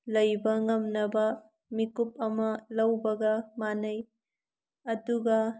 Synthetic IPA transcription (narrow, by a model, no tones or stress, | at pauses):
lɐjbɐŋɐmnɐbɐ | mikup̚ɐmɐlɐwbɐɡɐmanɐj | ɐduɡɐ